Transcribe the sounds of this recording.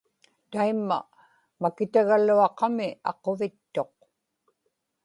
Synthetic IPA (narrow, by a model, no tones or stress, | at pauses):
t̪aimːa̰ | makɪt̪aɣaluɑqɑmɪɑ̰qo̞vɪt̪ːoq